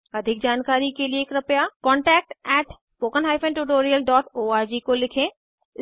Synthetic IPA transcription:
ɐd̪ʱɪk̚d͡ʒaːnkaːɾikelieːkɾɐpjakɔ̃ːɳʈɛːk̚ʈɛːʈspoːkənɦaːɪfʰɛ̃ːɳʈʊʈoːɾijəlɖɔːʈoːaːɾd͡ʒikolɪkʰẽː | ɪ

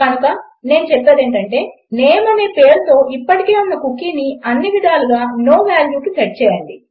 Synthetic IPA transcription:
kɐnukɐ | ne̞ːnut͡ʃɛpːaːd̪eːɳʈɐɳʈe̞ː | nɛːjɐmɐne̞ːpe̞ːɾut̪o̞ːʔipːɐʈikeːunːɐkukːiːniɐnːiʋid̪aːluɡaːno̞ːʋaːljuːʈut͡ʃ̪ɐʈ̚t͡ʃɛːjɐɳɖi

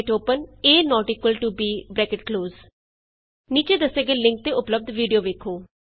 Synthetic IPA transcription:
ʈoːpəneːnɔːʈiːkwəlʈubiːbɾɛːkɪʈkloːz | niːt͡ʃeːd̪əseːɡeːlɪ̃ŋk̚t̪eːʊpləb̚d̪ʋiːɖijoːʋeːkʰoː

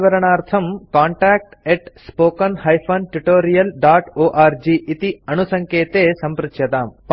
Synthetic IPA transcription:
ʋɐɾɐɳaːɾt̪ʰɐmkaːɳʈaːk̚ʈeʈsspoːkɐnhɐjpʰɐnʈuʈoːɾijɐlɖaːʈoːʔaːɾd͡ʒiːʔit̪iɐnusɐŋkeːt̪eːsɐmpɾɪt̪ʃjɐt̪aːmp

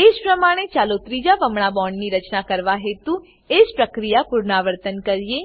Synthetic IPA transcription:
ed͡ʒpɾəmaɽ̃et͡ʃalot̪ɾid͡ʒaʋəmɳabɔɳɖniɾət͡ʃnakəɾʋaɦet̪ũ | ed͡ʒpɾəkɾijapuɾnaʋəɾt̪ənkəɾie

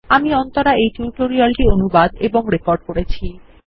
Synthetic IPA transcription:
amiɔnt̪oɾaejʈuʈoɾialʈionubad̪eboŋɾekoɾɖkoɾet͡ɕʰi

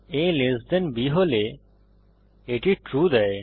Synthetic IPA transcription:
elezd̪enbiɦole | eʈiʈɾud̪ɛe

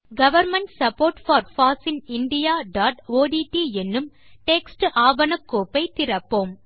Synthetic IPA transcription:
ɡɐʋɐɾmɐɳʈsɐpːoːɾʈfɐːɾfaːsɪnɪɳɖɪjaːɖaːʈoːɖiːʈːiːɛnːɯm | ʈeːksʈʔaːʋɐnɐkːoːpːɐɪt̪ɪɾɐpːoːm

